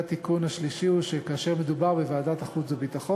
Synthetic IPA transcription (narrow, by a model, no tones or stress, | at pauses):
at̪ikunhaʃliʃiuʃekaːʃe̞ʁme̞d̪ubaʁbevaːdat̪aχut͡sabit̪aχo